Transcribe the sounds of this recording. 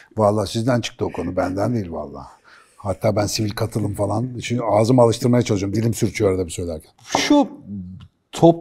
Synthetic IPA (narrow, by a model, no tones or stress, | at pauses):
valˠːaːsizd̪ænt͡ʃʰɯ̥k̚t̪ɯokʰo̞nubænd̪ænd̪ejilʲva̰lˠːa̰ː | hat̪ʰːaːbænsivilʲkʰat̪ʰɯlˠɯmfalˠanʃiaːzɯmalˠɯʃt̪ʰɯɾmajat͡ʃalˠɯʃoɾmd̪ilʲimsyɾt͡ʃʰyjoɾad̪ɛbisøjlʲæɾkcʰæ̥nʃu | t̪ʰop